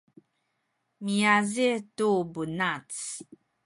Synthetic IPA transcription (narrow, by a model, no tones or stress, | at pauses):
mijazitubunat͡s